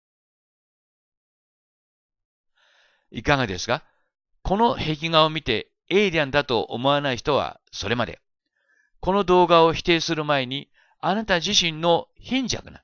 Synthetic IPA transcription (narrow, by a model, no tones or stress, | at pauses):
ikaɡad̪e̞sɨ̥ɡa | ko̞no̞he̞kʲiŋaomʲit̪e̞ | eɾʲiãnd̪at̪o̞ʔo̰mo̞anaiçi̥t̪o̞βa̰ | so̞ɾe̞mad̪e̞̰ | ko̞no̞d̪o̞ːɡao̞çi̥t̪e̞ːsɨɾɯ̟mae̞ɲ̟i | anat̪aʑiɕĩnːo̞çĩɲ̟d͡ʑa̰kɯ̟na̰